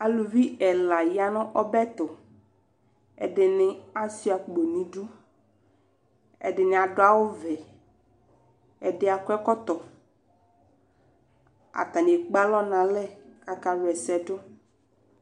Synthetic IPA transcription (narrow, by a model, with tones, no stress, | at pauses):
a˨lu˨vi˦ɛ˨la˨ja˦nʊ̃˦ʔɔ˦bɛ˦t̪ʊ˨ | ɛ̰˨dɪ˨nɪ̃˦a˦si˦a˨k͡po˨nĩ˨ɖu˦ | ɛ̰˨dɪ˨nɪ̃˨a˨dʊ˦a˦wʊ˦vɛ˨ | ɛ˨dɪ˦a˨kʷɛ˦kɔ˦t̪ɔ˨ | a̰˨t̪a˨ni˨e˨k͡pa˦lɔ˦nã˨lɛ˦ka˨ka˨ɾʊ˨ɛ˨sɛ˦dʊ˦